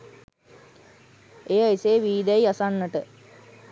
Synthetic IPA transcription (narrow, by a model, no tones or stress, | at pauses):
eːaiseːʋiːd̪æiasanːəʈə